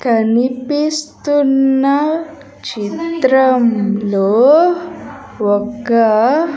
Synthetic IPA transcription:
kənipist̪unːa | t͡ɕit̪ɾəmlo | ʋɔka

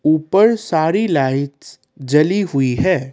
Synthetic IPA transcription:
uːpəɾsaːɾilaːɪʈ | d͡ʒɐliɦʊiɦɛː

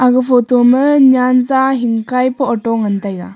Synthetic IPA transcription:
aɡɯpʰotomɯɲanzaɦiŋkajpɔɔʈɔŋənt̪ajɡa̰

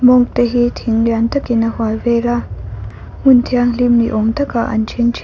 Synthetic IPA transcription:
moŋt̪eɦit̪ʰiŋljant̪ɐkinɐhwajwela | munt̪ʰjaŋlimnḭʔoŋt̪akaʔɐ̰nt͡ʃʰent͡ʃʰ

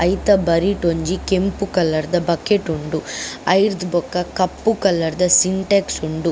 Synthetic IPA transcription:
ɐjt̪ɐbɐɾiʈoɲd͡ʒikempukɐlːɐɾd̪ɐbɐkeʈuɳɖuɐjɾd̪bɔkːɐkɐpːukɐlːɐɾd̪ɐsiɳʈeksuɳɖu

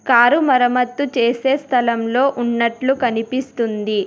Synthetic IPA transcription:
kaːɾumɐɾɐmɐt̪ːut͡ʃe̞ːse̞ːst̪ʰɐlɐmlo̞ːʔunːɐʈlukɐnipist̪und̪i

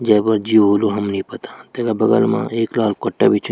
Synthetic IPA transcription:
d͡ʒɐːbɐɾd͡ʒiːɦoːluɦɐmnĩpɐt̪ḁt̪eɡabɐɡə̰lmã̰ʔeːklaːlkəʈːa̰bit͡ʃʰ

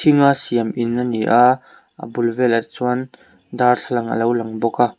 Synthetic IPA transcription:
t̪ʰiŋasiɐminːaniʔa | ʔa̰bulvɛlɐt͡suɐn | d̪arɬʰalɐŋə̰lɐwlɐŋbɔka

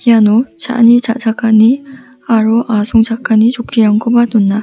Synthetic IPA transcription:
ianot͡ɕa̰ɲit͡ɕad͡ʑak͈aɲi | aɾoʔasʰoŋd͡ʑak͈aɲit͡ɕokʰiɾaŋɡobanonːa

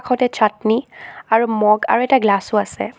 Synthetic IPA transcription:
kʰɔtɛt͡ʃʰatniaɹumɔɡa̰ɹuɛtaɡlasʊasɛ̰

